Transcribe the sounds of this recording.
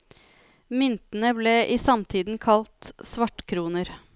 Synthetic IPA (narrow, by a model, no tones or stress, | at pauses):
mʏnt̪n̩əbleːʔiːsɑmt̪ʰiːd̪n̩kʰɑlt̪sʋɑʈkʰɾuːnəɾ